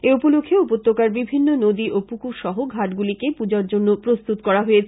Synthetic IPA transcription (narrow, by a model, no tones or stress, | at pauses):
eupolokʰːeupot̪ːokaɾbibʱinːonod̪iʔopukuɾʃɔɦoɡʱaʈɡulikepud͡ʑaɾd͡ʑonːopɾost̪ut̪kɔɾaɦojet͡ɕʰ